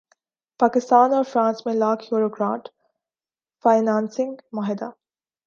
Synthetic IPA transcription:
paːkɪst̪aːnɔːɾfɾãːnsmẽlaːkʰɦjuːɾokɾã̰ːʈ | faːɪnãːnsɪ̃ŋɡmaːɦɪd̪aː

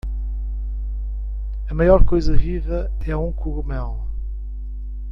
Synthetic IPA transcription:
ɐmajɔɾkojzɐʁiʁɐ | ɛũkʰuʁumɛlˠ

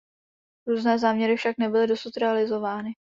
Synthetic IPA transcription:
ɾuːznɛːzaːmɲɛɾɪfʃaknɛbɪlɪdo̞sut̪ɾɛalɪzo̞vaːnɪ

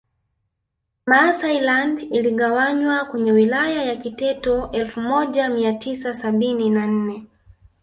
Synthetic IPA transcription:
masailandiliɠawaɲwakwɛɲɛwilajajakitɛtɔʔɛlfumɔʄamiatʰisasaɓininan̩nɛ

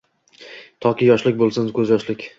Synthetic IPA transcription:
t̪ʰɒkʲɪjɒʃlɪkʲbolˠsɪnkʲʰɵzjɒʃlɪkʲ

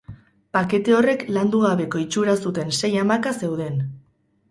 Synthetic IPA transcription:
pake̞t̪e̞o̞re̞kland̪uɣ̞aβe̞ko̞it͡ʃuɾasut̪e̞nse̞jamakase̞wðe̞n

